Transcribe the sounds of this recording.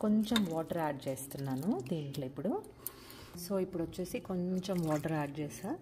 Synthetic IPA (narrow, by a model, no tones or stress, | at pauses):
koɲt͡ʃemʋɔːʈɐɾaːʈ̚t͡ʃeːst̪unːaːnud̪iːniʈlɐipːuɽu | soːipːuɽɐt͡ʃːuːsikoɲt͡ʃemʋɔːʈɐɾaːʈ̚t͡ʃeːsaːɾ